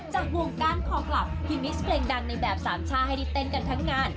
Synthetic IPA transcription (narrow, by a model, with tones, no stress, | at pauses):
t͡ɕaː˨˩k̚hu˧əŋkaː˧˥˩nkʰɔː˨˩kʰla˨˩p̚kʰi˧nːi˦˥spʰleː˧ŋda˧ŋna˧jbɛː˨˩p̚saː˩˦nt͡ɕʰaː˧˩ha˧˩jdi˧˩t̪ːe˧˥˩nka˧nt̪ʰa˦˥ŋːaː˧n